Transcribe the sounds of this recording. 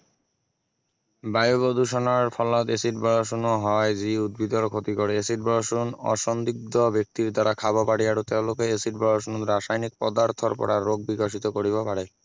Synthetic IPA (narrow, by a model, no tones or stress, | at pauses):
bajobod̪ʱuʃɔnaɾfʰɔlat̪esiʈbɔɾoʃunoɦɔaed͡ʑiud̪̚bid̪oɾkʰot̪ikoɽeesiʈbɔloʃunɔ̰ʃɔnd̪iɡ̚d̪obek̚t̪iɾd̪aɾakʰabɔpaɽiaɽot̪ewlokeesiʈ̚bɔɭoʃunɾaʃajnik̚pɔ̰d̪aɾt̪ʰɔɾpɔ̰ɽaɾːoɡ̚bikaʃ̬it̪okoɾibapaɽe